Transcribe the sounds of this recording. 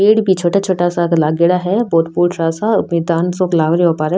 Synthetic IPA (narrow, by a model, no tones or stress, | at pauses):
eːɽbʱit͡ʃʰoːʈat͡ʃʰoːʈasakɐlaːɡeɽaɦɛboːt̪puːɾʃaːsaʊmeːd̪aːnsõklaːʋəɾjoːpaːɾə